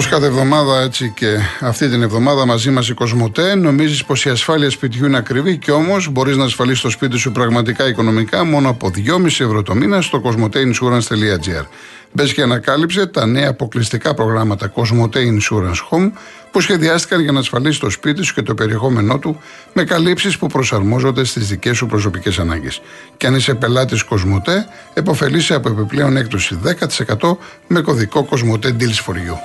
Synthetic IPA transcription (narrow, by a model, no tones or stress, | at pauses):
oskɐθevðo̞mɐðɐe̞t͡sice̞ɐft̪it̪ine̞vðo̞mɐðɐmɐzimɐs̬iko̞zmo̞t̪eno̞mizispo̞siɐsfɐliɐspit̪çuineɐkɾiviceo̞mo̞zbo̞ɾiznɐːsfɐlist̪o̞spit̪̬isupɾɐɣmɐt̪ikɐiko̞no̞mikɐmo̞noɐpo̞ðʝo̞misievɾo̞t̪o̞minɐst̪o̞ko̞zmo̞t̪einsuɾɐnst̪e̞liɐd͡ziɐ̰ɾ | be̞sceɐnɐkɐlipse̞t̪ɐne̞ɐːpo̞klist̪ikɐpɾo̞ɣɾɐmɐt̪ɐko̞zmo̞t̪einsuɾɐnsxo̞m | pusçe̞ðiɐst̪i̥kɐnʝɐnɐːsfɐlisi̥t̪o̞spit̪̬isu̥ce̞t̪ope̞ɾie̞xo̞me̞no̞t̪u | me̞kɐlipsispupɾo̞sɐɾmo̞zo̞nd̪e̞st̪izðice̞supɾo̞s̬o̞pice̞sɐnɐ̰ɲɟe̞s | ceɐnise̞pe̞lɐt̪isko̞zmo̞t̪e̞ | epo̞fe̞liseɐpo̞e̞piple̞o̞ne̞kt̪o̞siðe̞kɐt̪i̥se̞kɐt̪o̞ | me̞ko̞ðiko̞ko̞zmo̞t̪̬e̞d̪ilsfo̞ɾʝu